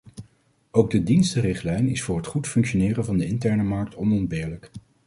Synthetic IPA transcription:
owɡ̚dədinstərɪχtlɛjnɪsfʊːɹɦətχutfɵŋkʃonɪːrənvɑndəɪntɛɹnəmɑɹk̚tɔnɔnbɪːɹlək

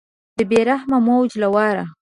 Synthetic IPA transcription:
d̪əbeɾahmamawd͡ʒlawɑɾa

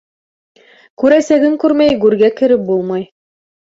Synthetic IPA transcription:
kʉɾæsæɡɘŋkʉɾmæjɡʉɾɡækɘ̆ɾɘp̚bulˠmɑj

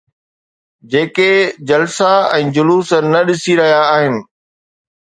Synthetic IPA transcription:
d͡ʑeːked͡ʑɐlsaɛ̃ːd͡ʑʊluːsənɐɗɪsiɾɐɦijaːɦɪnɪ̆

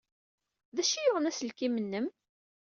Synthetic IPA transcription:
ðæʃijʊʁənæslkimənːəm

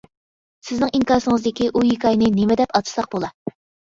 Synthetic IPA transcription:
sɪznɪŋiŋkɑɾsɨŋɨzd̪ɪkʲiʔujikʰɑjnɨnemɪd̪ɛpɑt̪ʰɨ̥sɑq̚bolˠɑ

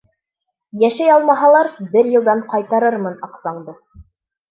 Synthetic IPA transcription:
jæʃæjɑlˠmɑɦɑlˠɑɾbɘɾjɤ̆lˠd̪ɑɴqɑjt̪ɑɾɤɾmɤnɑqsɑɴd̪ɤ

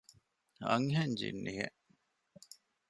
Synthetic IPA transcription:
ɐ̰ŋɦeɲd͡ʒḭnːiɦḛʔ

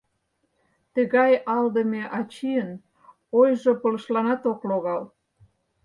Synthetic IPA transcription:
t̪ə̆ɣɑjɑld̪ə̆meʔɑt͡ɕiən | ojʒopə̆lə̆ʃlɑnɑt̪okloɣɑl

